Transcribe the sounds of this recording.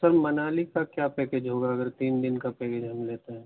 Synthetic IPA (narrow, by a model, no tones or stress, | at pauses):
sɐɾmɐnaːlikakjaːpeːked͡ʒɦoːɡaɐɡəɾt̪iːnd̪ɪnkapeːked͡ʒɦɐmleːt̪eɦɛ̃ː